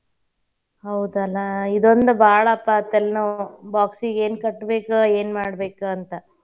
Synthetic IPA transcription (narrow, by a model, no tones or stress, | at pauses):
hɐwd̪ɐlːɐid̪ond̪ubʱaːɭɐːpːɐt̪ːelnubaːksiɡe̞ːnkɐʈːbeːkueːnmaːɽbe̞ːkuɐnt̪ɐ